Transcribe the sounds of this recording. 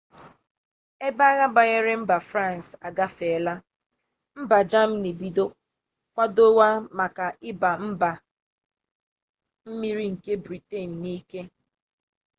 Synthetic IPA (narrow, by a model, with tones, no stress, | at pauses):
e˦ba˦ɣa˦ba˨ɣe˦ɾe˦m̩˦ba˨fɾa˦˨n˨sa˨ɡa˦fe˨la˦ | m̩˦ba˨d͡ʒa˦m̩˦ne˨bi˨do˦ | kʷa˦do˦wa˦ma˨ka˨ɪ˦ba˨m̩˦ba˨ | m̩˦mi˦ɾi˦ŋ̩˨ke˦bɾi˨te˦˨n̩˨niː˦ke˦